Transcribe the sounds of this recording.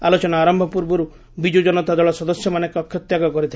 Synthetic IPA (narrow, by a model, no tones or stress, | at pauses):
alɔt͡ʃɔnaaɾɔmbʱɔpuɾbɔɾu | bid͡ʒod͡ʒɔnɔt̪ad̪ɔɭɔsɔd̪ɔsjɔmanekɔkʰːjɔt̪jaɡɔkɔɾit̪ʰi